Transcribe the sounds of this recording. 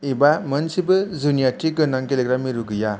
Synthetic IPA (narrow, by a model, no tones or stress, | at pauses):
ibamɐnsibɯzunijaʈikːɯnaŋkeleɡɾamiɾuɡɯja